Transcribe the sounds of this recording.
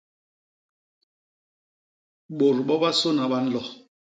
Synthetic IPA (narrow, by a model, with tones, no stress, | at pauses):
ɓo˨ɾɓɔ˦ɓa˦so˦na˨ɓa˦n̩˦lɔ˨